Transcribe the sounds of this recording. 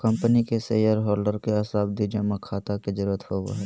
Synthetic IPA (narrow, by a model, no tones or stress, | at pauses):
kɐ̃mpənikeseːjəɾɦɔːlɖəɾkeɐsaːb̚d̪id͡ʒɐmakʰaːt̪aked͡ʒəɾuːɾət̪hoːb̰ɦɛ